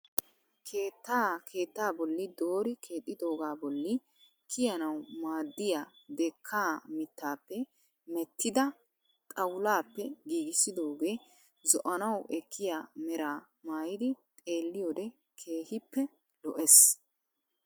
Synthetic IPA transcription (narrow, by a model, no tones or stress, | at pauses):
kʰeːt̪ːaːkʰe̞ːt̪ːaːbɔlːɪd̪o̞ːɾɪkʰe̞ːt̪ʼːɪd̪o̞ːɡaːbɔlːɪ | kʰɪjɐnɐwmaːd̪ːɪjad̪ɛkʰːaːmɪt̪ːaːpːɛ | mɛt̪ːɪd̪ɐ | t̪ʼɐwlaːpːɛɡiːɡɪsɪd̪o̞ːɡe̞ː | zɔʔɐnɐwɛkʰːɪjaːmɛɾaː | maːjɪd̪ɪt̪ʼe̞ːlːɪjoːd̪ɛ | kʰe̞ːhɪpːɛ | lɔʔɛs